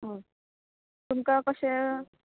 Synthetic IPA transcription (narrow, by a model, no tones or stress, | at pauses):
ɦə̃ | t̪umkakəse